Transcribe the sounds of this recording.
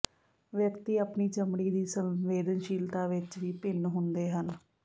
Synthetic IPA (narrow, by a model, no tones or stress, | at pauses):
ʋjəkt̪iːəpniːt͡ʃəmɽiːd̪iːsəʋeːd̪ənʃiːlt̪aːʋɪt͡ʃʋiːpɪnɦʊnd̪eːɦən